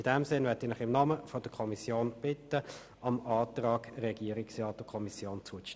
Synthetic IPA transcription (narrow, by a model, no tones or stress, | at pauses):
ɪd̥ɛmsɪnʋɛɐtɪnɪχɪmnɑməfɔd̥əkʰɔmisjoːnb̥ɪt̪ːə | ɑmɑːtrɑːɡ̥ɾɛɡ̥iəɾɪksʁɑːtʊkʰɔmisjoːnt͡suə